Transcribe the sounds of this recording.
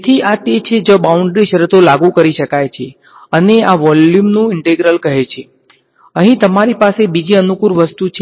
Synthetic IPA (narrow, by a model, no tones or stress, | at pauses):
t̪ʰiat̪et͡ʃʰed͡ʒobauɳɖɾiʃəɾət̪olaɡũkəɾiʃəkajt͡ʃʰe | əneaʋɔljumnũɪɳʈeɡɾəlkəɦet͡ʃʰe | əɦĩt̪əmaɾipasebid͡ʒiənukuɾʋəst̪ut͡ʃʰ